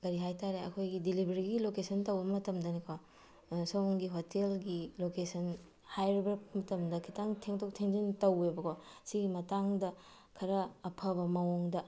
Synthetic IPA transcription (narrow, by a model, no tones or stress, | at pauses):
ɡɐɾiɦajtaɾeɐ̰kʰojɡidilibʱeɾiɡilokesɐntɐwbɐmɐtɐmdɐnikʰo | sowŋɡiɦotelɡilokesɐn | hajɾibeɾmɐtɐmdɐkʰitaŋtʰeŋtʰok̚tʰeŋd͡ʒintɐwebɐkʰosiɡimɐtaŋdɐ | kʰɐɾɐːpʰɐbɐmɐwoŋdɐ